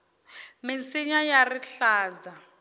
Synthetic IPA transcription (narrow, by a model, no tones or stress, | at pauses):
mint͡siɲajariɬaːza